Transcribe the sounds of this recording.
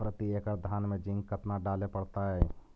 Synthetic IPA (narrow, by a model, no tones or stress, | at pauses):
pɾət̪iekəɾd̪ʱaːnmẽd͡ʒɪ̃ŋɡkət̪naɖaːlepəɽt̪aɦɛː